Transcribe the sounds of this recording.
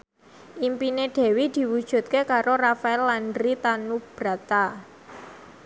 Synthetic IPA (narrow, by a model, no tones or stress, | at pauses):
ʔimpineɖ̥ɛ̤wid̪̥i̤wud̥ʒ̥ṳt̪̚kekaɾorafaɛlːandɾit̪anub̥ɾa̤t̪a